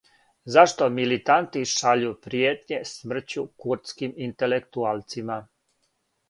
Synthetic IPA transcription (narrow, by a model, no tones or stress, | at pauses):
zaʃt̪o̞milit̪ant̪iʃaʎupɾijet̪ɲe̞smr̩t͡ɕukuɾt̪skimint̪ele̞kt̪ualˠt̪sima